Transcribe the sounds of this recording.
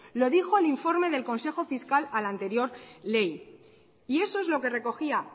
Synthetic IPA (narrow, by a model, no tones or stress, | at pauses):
lo̞ðixo̞eliɱfo̞ɾme̞ðe̞lko̞nse̞xo̞fiskalalant̪e̞ɾjo̞ɾle̞j | ie̞so̞e̞zlo̞ke̞re̞ko̞xia